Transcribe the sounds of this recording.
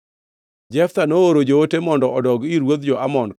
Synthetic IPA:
d͡ʒɛft̪anooɾod͡ʒootemɔndɔɔdɔɡiɾwod̪̚d͡ʒɔʔamɔn

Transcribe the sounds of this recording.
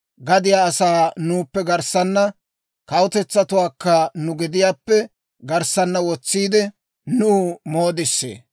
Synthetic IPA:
ɡɐd̪ɪjaːɐsaːnuːpːɛɡɐɾsɐnːɐ | kɐwʊt̪ɛt͡sːɐt̪ʊwaːkːɐnʊɡɪd̪ɪjaːpːɛ | ɡɐɾsɐnːɐwɔt͡sːiːd̪ɛ | nuːmo̞ːd̪ɪsːḛː

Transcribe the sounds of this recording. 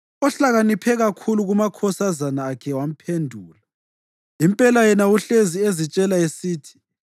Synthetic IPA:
ɔɬaɣanipʰɛɣakʰuluɣumakʰɔsazanaːkʰɛwam̩pʰendʱuːla | impʼɛlajɛnauɬeziezit͡ʃʼɛlaesiːtʰi̥

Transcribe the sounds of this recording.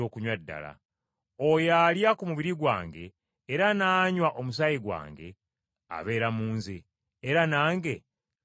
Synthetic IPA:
o̞ːkuɲwadːa̰la̰ | ojaːljakumuβiɾiɡwaːŋɡe̞̰ː | ɾanaːɲwaʔo̞mus̬ajiɡwa̰ːŋɡe̞̰ | a̰βe̞ːɾamuːnzeː | ɾanaːŋɡe̞

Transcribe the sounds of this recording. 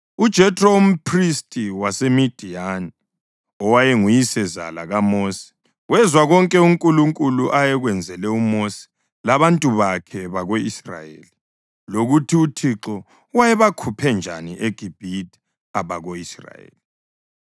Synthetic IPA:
ud̥ʒ̥ʱɛtʼrom̩pʰristʼiwasemid̥ʱiani | ɔwajɛŋujisɛza̰laɣamoːsi̥ | wɛzwaɣɔŋkʼɛuŋkʼuluŋkʼuluʔajɛɣwɛnd͡zʱɛlɛumosi̥ | laβantʼuβakʰɛβaɣoisra̰jḛːli | loɣutʰiutʰiǁɔ | wajɛβakʰupʰɛnd͡ʒʱaniʔeɡ̥ʱib̥ʱitʰʼi̥ | aβaɣoisra̰jḛːli

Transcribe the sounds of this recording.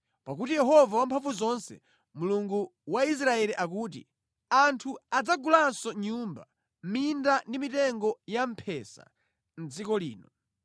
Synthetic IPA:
pak̬utijɛɦɔvawampʰaɱfuzɔnsɛ | muluŋɡuwais̬ɾaɛliʔak̬uːt̬ḭ | antʰuad͡zaɡulansɔɲumba̰ | mindandimitɛŋɡɔjam̩pʰɛsa̰ | n̩d͡zikɔliːnɔ

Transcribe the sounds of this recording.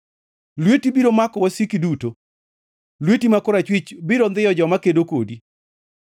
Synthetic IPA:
lwetibiɾomakɔwasikiduto | lwetimakoɾat͡ʃwɪt͡ʃbiɾond̪ɪjɔd͡ʒɔmakedoko̰di

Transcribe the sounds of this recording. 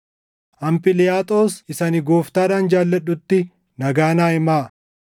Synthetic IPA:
ʔɐmpɪlɪjaːt̪ʼo̞ːsɪsɐnɪɡoːft̪aːᶑaːnd͡ʒaːlːɐɗːʊt̪ːɪ | nɐɡaːnaːɪmaː

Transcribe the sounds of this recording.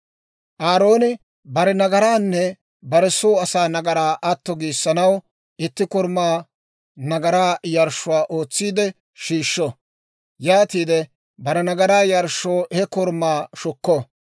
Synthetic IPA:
ʔaːɾo̞ːnɪ | bɐɾɛnɐɡɐɾaːnːɛ | bɐɾɛsoːɐsaːnɐɡɐɾaːʔɐt̪ːɔɡiːsːɐnɐw | ɪt̪ːɪkɔɾmaː | nɐɡɐɾaːjɐɾʃʊwaːʔo̞ːt͡sːiːd̪ɛ | ʃiːʃːɔ | jaːt̪iːd̪ɛ | bɐɾɛnɐɡɐɾaːjɐɾʃːoːhɛkɔɾmaːʃʊkːɔ

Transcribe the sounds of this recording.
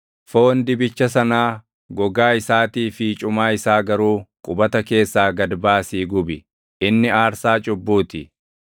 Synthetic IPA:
foːnd̪ɪbɪt͡ʃːɐs̬ɐnaː | ɡɔɡaːɪsaːt̪iːfɪt͡ʃʼʊmaːɪsaːɡɐɾuːkʼʊbɐt̪ɐke̞ːsːaːɡɐd̪baːsiːɡʊbɪ | ɪnːɪaːɾsaːt͡ʃʼʊbːuːt̪ɪ

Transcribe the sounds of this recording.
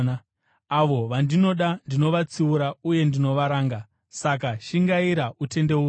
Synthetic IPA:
na | aʋo̞ʋandino̞ɗandino̞ʋat͡siuɾauje̞ndino̞ʋaɾaːŋɡa | sak̬aʃiŋɡaiɾaute̞nde̞uː

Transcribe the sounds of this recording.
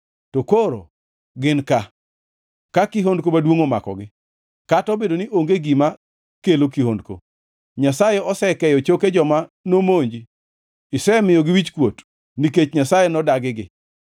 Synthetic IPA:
tokoɾo̰ | ɡɪnka | kakiɦondkomadwoŋoma̰kɔ̰ɡɪ | katɔbedoniʔoŋɡeɡima | kelokiɦondko̰ | ɲasajeɔsɛkɛjɔt͡ʃoked͡ʒɔmanomoɲd͡ʒi | ɪsɛmɪjɔɡɪwit͡ʃkwot | niket͡ʃɲasajenɔdaɡɪɡɪ

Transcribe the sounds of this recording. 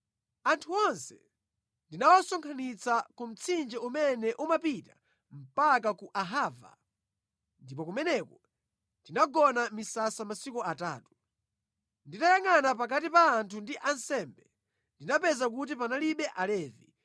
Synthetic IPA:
antʰuɔnsɛ̥ | ndinawasɔŋkʰanit͡sakum̩t͡sʰind͡ʒɛumɛnɛʔumapita | m̩pak̬akuʔaɦaːva̰ | ndipɔkumɛnɛkɔ | ntinaɡɔnamisasamasikuata̰ːtu̥ | nditajaŋanapakat̬ipaːntʰundiʔansɛmbɛ | ndinapɛzak̬ut̬ipanaliɓɛʔalɛːvi

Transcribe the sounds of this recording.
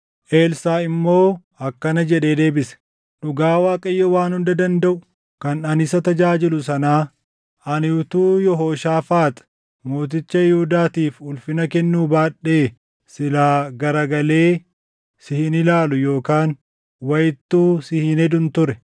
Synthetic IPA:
ʔe̞ːlsaːɪmːo̞ː | ɐkːɐnɐd͡ʒɛᶑe̞ːd̪e̞ːbɪsɛ̥ | ᶑʊɡaːwaːkʼɐɪjːɔwaːnhʊnd̪ɐd̪ɐnd̪ɐʔʊ̥ | kɐnɐnɪsɐt̪ɐd͡ʒaːd͡ʒɪlʊsɐnaː | ʔɐnɪʊt̪uːjɔɦoːʃaːfaːt̪ɐ̥ | mo̞ːt̪̬ɪt͡ʃːɐjɪhud̪aːt̪iːfʊlfɪnɐkɛnːuːbaːᶑe̞ː | sɪlaːɡɐɾɐɡɐle̞ː | sɪhɪnɪlaːlʊjo̞ːkaːn | wɐjɪt̪ːuːsɪhɪnɛd̪ʊnt̪ʊɾɛ

